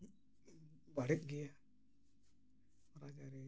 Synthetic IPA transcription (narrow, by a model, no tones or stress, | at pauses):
baɽit̪̚ɡɛja | ɾad͡ʒaɾi